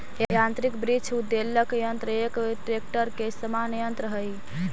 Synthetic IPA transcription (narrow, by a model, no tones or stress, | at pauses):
jãnt̪ɾikbɾit͡ʃʰud̪ːeləkjənt̪ɾəekʈɾek̚ʈəɾkesəmanəjənt̪ɾəɦəj